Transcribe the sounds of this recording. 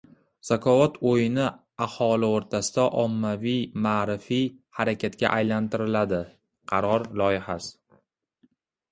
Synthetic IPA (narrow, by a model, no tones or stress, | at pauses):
z̥akʰɒvɒt̪ʰojɪnɪ | ahɒlɪoɾt̪ʰasɪd̪aʔɒmːavijmaːɾɪfijhaɾakʲʰat̪kʲa̰ʔajlant̪ɪɾɪlad̪ɪ | qʰɑɾɒɾlˠɒjɪhas